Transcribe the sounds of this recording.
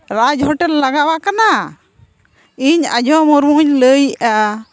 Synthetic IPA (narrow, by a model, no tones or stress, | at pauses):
ɾad͡ʒɦɔʈɛlːaɡawakana | iɲa̰d͡ʒʱɔmɔɾmuɲləjʔa